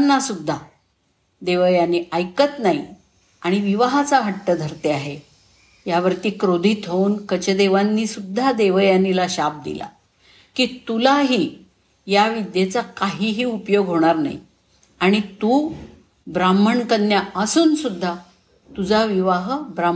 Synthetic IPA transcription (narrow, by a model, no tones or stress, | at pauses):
nːasud̪ʱːa | d̪eʋəjanːiʔajkət̪naḭ | aɽ̃iʋiʋaɦat͡saɦəʈːəd̪ʱəɾt̪eaɦe | jaʋəɾt̪iːkɾod̪ʱiːt̪ʰəuːnkət͡ɕəd̪eʋanːiːsud̪ʱːad̪eʋəjanilaɕap̚d̪ḭla̰ | kiːt̪ulaɦiː | jaʋid̪jet͡sakaɦiːɦiːupjoɡɦoɽ̃aɾna̰ḭ | aɽ̃it̪uː | bɾaməɳkənjaəsuːnsud̪ʱːa | t̪ud͡zaʋiʋaɦbɾam